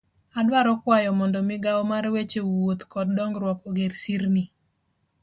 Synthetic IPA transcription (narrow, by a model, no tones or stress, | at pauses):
adwaɾɔkwajɔmɔndɔmɪɡawmaɾwet͡ʃewot̪kɔd̚dɔŋɡɾwɔkoɡeɾsiɾni